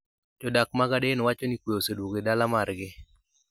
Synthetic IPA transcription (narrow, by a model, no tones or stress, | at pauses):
d͡ʒɔdak̚maɡadenɔwat͡ʃɔnikweoseduɡedalamarɡɪ